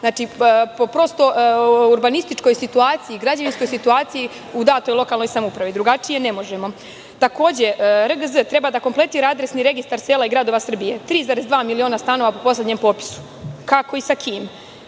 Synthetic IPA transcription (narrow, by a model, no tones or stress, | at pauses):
znaːt͡ʃipopɾo̞ːst̪o̞uɾbanist̪it͡ʃko̞jsit̪uaːt̪sijiɡɾad͡ʑaʋinsko̞jsit̪uaːt̪siji | ud̪aːt̪ojlo̞kalno̞jsamoupɾaʋid̪ɾuɡat͡ʂije̞ne̞mo̞ʒemo̞ | t̪ako̞ːd͡ʑe̞ɾəɡəzət̪ɾe̞bad̪ako̞mplˠe̞t̪iːɾaad̪ɾesniɾe̞ɡist̪aɾseːlaiɡɾad̪o̞ʋasr̩bije̞t̪ɾiːzaːɾezd̪ʋaːmilio̞ːnast̪ano̞ʋapo̞po̞sled̪ɲempo̞ːpi̥su̥ | kako̞isakʰiːm